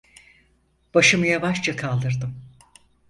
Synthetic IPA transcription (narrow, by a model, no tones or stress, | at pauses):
b̥aʃɯmɯjavaʃt͡ʃakʰalˠd̪ɯɾd̪ɯm